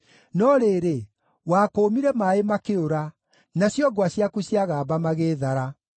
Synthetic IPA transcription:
nɔɾeːɾe | waːkoːmiɾɛmaemakeoɾa | naɕjɔɡwaɕjakuɕjaɣaːbamaɣeːðaɾa

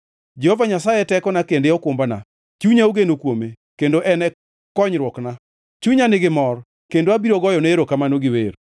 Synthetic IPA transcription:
d͡ʒɛhovaɲasajɛtɛkɔnakendeɔkwombana̰ | t͡ʃuɲaoɡenokwome | kendoʔɛnɛ | kɔɲɾwɔkna | t͡ʃuɲanɪɡɪmɔr | kendoabiɾɔɡɔjɔneeɾokamanoɡɪweɾ

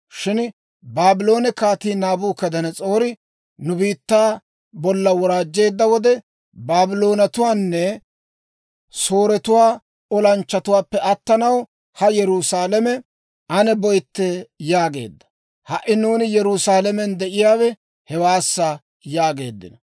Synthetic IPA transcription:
ʃɪn | baːbɪlo̞ːnɛkaːt̪iːnaːbuːkɐd̪ɐnɛt͡sʼo̞ːɾɪ | nʊbiːt̪ːaː | bɔlːɐwɔɾaːd͡ʒːe̞ːd̪ːɐwɔd̪ɛ | baːbɪlo̞ːnɐt̪ʊwaːnːɛ | so̞ːɾɛt̪ʊwaː | ɔlɐnt͡ʃːɐt̪ʊwaːpːɛʔɐt̪ːɐnɐw | hɐjɛɾuːsaːlɛmɛ | ɐnɛbɔjt̪ːɛjaːɡe̞̰ːd̪ːɐ̥ | hɐʔːɪnuːnɪjɛɾuːsaːlɛmɛnd̪ɛʔɪjaːwɛ | hɛwaːsːɐ | jaːɡe̞̰ːd̪ːɪ̰nɐ

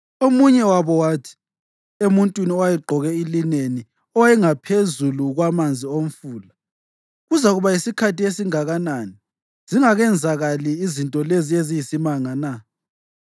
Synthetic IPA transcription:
omuɲɛwaβɔwatʰi̥ | emuntʼwiniɔwajiɡ͡ǃʱɔɣɛilineni | ɔwajɛŋapʰezuluɣwamand͡zʱiom̩fuːla | ɣuzaɣuβaisikʰatiesiŋaɣanani | z̥iŋaɣɛnd͡zʱaɣaliːzintʼɔleziezijisimaŋana

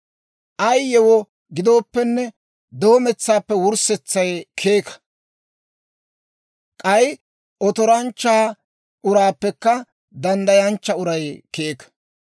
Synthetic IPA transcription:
ʔɐjjɛwɔ | ɡɪd̪oːpːɛnːɛ | d̪o̞ːmɛt͡sːaːpːɛwʊɾsɛt͡sːɐjkʰeːkɐ̥ | kʼɐj | ʔɔt̪ɔɾɐnt͡ʃːaː | ʔʊɾaːpːɛkːɐ | d̪ɐnd̪ɐjɐnt͡ʃːɐʊɾɐjkeːkɐ̥

